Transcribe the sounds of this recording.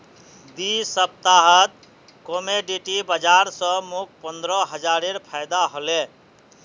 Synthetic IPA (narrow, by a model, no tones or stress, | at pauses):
d̪isəb̚t̪aɦət̪̚ | komeɖiʈibəd͡ʒaɾsə̃muk̚pənd̪ɾɔɦəd͡ʒaɾeɾpʰajd̪aɦole